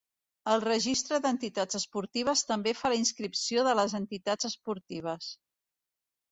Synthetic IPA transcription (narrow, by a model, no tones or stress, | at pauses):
əlˠrəʒist̪ɾəðənt̪it̪ad͡zəspuɾt̪iβ̞əst̪əmbefaləinskɾipsioðələzənt̪it̪ḁd͡zəspuɾt̪iβ̞əs